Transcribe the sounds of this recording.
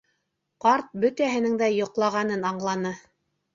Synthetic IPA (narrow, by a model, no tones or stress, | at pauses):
qɑɾt̪̚bɵt̪æɦɘ̆nɘŋd̪æjŏqlˠɑʁɑnɤnɑɴlˠɑnɤ